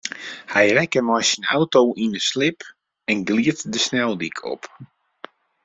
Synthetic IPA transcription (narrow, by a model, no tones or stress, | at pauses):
hɛjrɛkəmɔjsəna̰wtowʔinəslɪp | ɛnɡliətdəsnɛlˠdikʰɔ̰p